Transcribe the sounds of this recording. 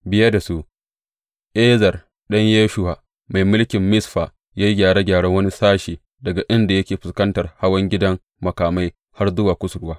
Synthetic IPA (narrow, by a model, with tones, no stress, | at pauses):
bɪ˦jɐ˦da˨su˦ | ʔeː˦zɐ˨r | ɗɐ˦ɲjeː˦ʃʊ˦ha˨ | ma˨jmʊ˦lkʲɪ˨mːɪ˦sɸa˨ | jaː˦ji˦ɡʲaː˨ɽa˦ɡʲaː˨ɽɐ˦wɐ˦ni˦saː˦ʃiː˨ | dɐ˨ɡa˨ʔɪ˦nda˨jɐ˦kʲeː˨ɸɪ˨skɐ˦ntɐ˨rha˦wɐ˦ŋɡʲɪ˦dɐ˦ŋ | mɐ˨kaː˨ma˦j | ha˦rzʊ˦waː˨kʷʊ˦sʊ˨ɽʊ˦waː˦